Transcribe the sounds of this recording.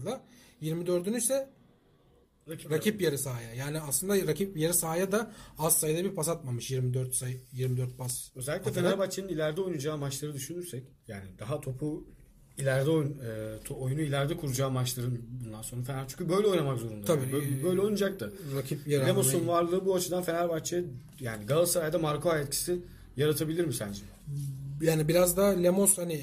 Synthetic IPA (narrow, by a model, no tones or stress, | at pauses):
lˠa | jiɾmid̪ø̞ɾd̪ynysɛ | ɾacʰipjeɾisaːjajaːniaslˠɯnd̪aɾacʰip̚jeɾisaːjad̪aassajd̪ˠabiɾpʰasat̪̚mamɯʃjiɾmid̪øɾt̪sajjiɾmid̪øɾt̪̚basø̞zɛlʲːiclʲɛfenaɾbat͡ʃʰinɯnilʲæɾd̪ɛo̞jnud͡ʒaːmat͡ʃlˠaɾɯd̪yʃynyɾsɛc | jaːnid̪aɦat̪ʰo̞pʰu | ilʲæɾd̪ɛojnɯt̪ʰoojunuilʲæɾd̪ɛkʰuɾud͡ʒaːmat͡ʃlˠaɾɯnbund̪anso̞nɾafenæɾt͡ʃʰy̥ɲʲcʰybøjlʲɛo̞jnamakzo̞ɾund̪aaɯbøjlʲɛo̞jnud͡ʒak̚t̪ʰɯɾakʰipjelʲemo̞sunvaɾlˠɯːbuat͡ʃʰɯd̪anfenæɾbat͡ʃʰːijɯ | jaːniɡalˠsaɾajd̪amaɾkʰoajɛt̪cʰi̥si | jaɾat̪ʰabilʲiɾmisænd͡ʒim | jaːnibiɾazd̪alʲemoshani